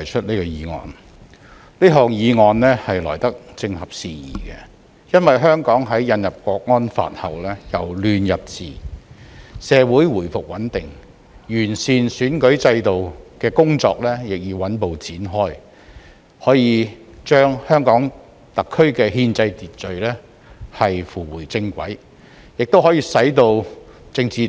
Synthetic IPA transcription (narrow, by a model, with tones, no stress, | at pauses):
t̪ʰɐ˨˩jt͡ʃʰɵ˥t̚niː˥kɔː˧jiː˨˧ŋɔ̰ː˨˧n | liː˥ɦɔː˨ŋjiː˨˧ŋɔː˧nlɛː˥hɐ˨jlɔ̰ː˨˩jt̪ɐ˥k̚t͡sɪ˧ŋhɐ˨p̚siː˨jiː˨˩kɛ̰˧ | jɐ˥nwɐ˨˩jɦœː˥ŋkɔː˨˥ŋɦɐ˨˥jjɐ˧njɐ˨p̚kʷɔː˧k̚ŋɔː˥nfa̰ː˨t̚hɐ̰˨˩wlɛː˥jɐ˨wlyː˨njɐ˨p̚t͡sḭː˨ | sɛː˨˧wuː˨˥jwuː˨˩jfʊ˨k̚wɐ˨˥nt̪ɪ˨˩ŋ | jyː˨˩nsiː˨nsyː˨˥nkɵ˨˥ɥt͡sɐ˧jt̪o˨wkɛː˧kʊ˥ŋt͡sɔ̰ː˧k̚lɛː˥jɪ˨k̚jiː˨wɐ˨˥npo˨wt͡siː˨˥nɦɔː˥j | hɔː˨˥jiː˨˧t͡ʃœː˥ŋhœː˥ŋkɔː˨˥ŋ | t̪ɐ˨kʰːɵ˥ɥkɛː˧hiː˧nt͡sɐ˧jt̪iː˨t̚t͡ʃɵ˨ɥlɛː˥ | hɐ˨jfuː˨˩wuː˨˩jt͡sɪ˧ŋkʷɐ̰˨˥j | jɪ˨k̚t̪o˥wɦɔː˨˥jiː˧sɐ˨˥jt̪o˧wt͡sɪ˧ŋt͡siː˨